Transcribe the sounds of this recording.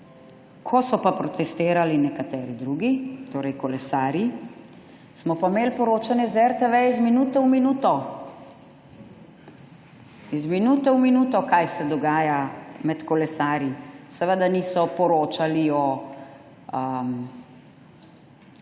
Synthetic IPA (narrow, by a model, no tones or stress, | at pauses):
kʰɔsɔpapɾɔt̪ɛst̪eːɾalinɛkat̪ɛːɾid̪ɾuːɡit̪oːɾɛjkɔlɛsaːɾji | smɔpameːlpɔɾoːt͡ʃanjɛzɛɾt̪eʋɛizminut̪ɛwminuːt̪ɔ | izminuːt̪ɛwminuːt̪ɔkajsɛd̪ɔɡaːjamɛt̪kɔlɛsaːɾjisɛʋəd̪anisɔpɔɾoːt͡ʃaliɔ | m